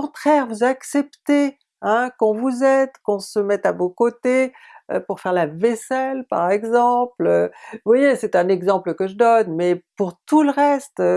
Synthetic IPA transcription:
kɔ̃t̪χɛʁvuzaksɛpt̪e | ɛ̃kɔ̃vuzɛd̪kɔ̃səmɛt̪avokot̪e | ø̰puʁfɛʁlavɛsɛlpa̰ʁɛɡzɑ̃pløvwajesɛt̪ɛ̃nɛɡzɑ̃pləkəʒəd̪ɔnmɛpuʁt̪uləʁɛst̪ø

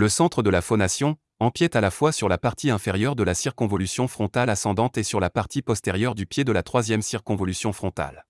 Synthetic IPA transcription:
ləsɑ̃t̪χəd̪əlafɔnasjɔ̃ | ɑ̃pjɛt̪alafwasyʁlapaʁt̪ʰiɛ̃fɛʁjœʁd̪əlasiʁkɔ̃vɔlysjɔ̃fχɔ̃t̪alasɑ̃d̪ɑ̃t̪esyʁlapaʁt̪ipɔst̪eʁjœʁd̪ypjed̪əlat̪χwazjɛmsiʁkɔ̃vɔlysjɔ̃fχɔ̃t̪a̰l

